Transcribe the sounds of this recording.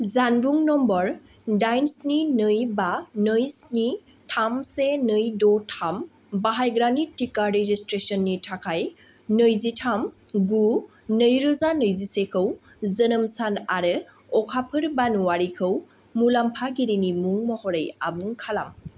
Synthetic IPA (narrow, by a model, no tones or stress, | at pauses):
zanbuŋnɔmbɔɹ | dajnsninɯjbanɯjsni | tʰamsenɯjdɔtʰam | baɦajɡɾanitikaɾezistɾesɔnːitʰakʰaj | nɯjzitʰamɡu | nɯjɾɔzanɯjzisekʰɯw | zənɯmsanaɾɯ | ɔkʰapʰɯɾbanuwaɾikʰɯw | mulampʰaɡiɾinimuŋmɔhɔɾɯja̰buŋkʰalam